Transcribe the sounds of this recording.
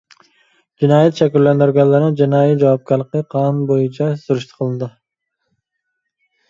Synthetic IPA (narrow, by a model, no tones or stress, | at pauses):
d͡ʒinɑːjɛt̪ʃɛkʲylːɛnd̪yɾɡʲɛlːɨɾnɨd͡ʒinɑːjit̪d͡ʒɑwɑp̚kʲɑɾlˠəqəqʰɑnbojut͡ʃʰɑsuɾyʃt̪ʰə̥qʰəlˠɨnɨd̪ɨ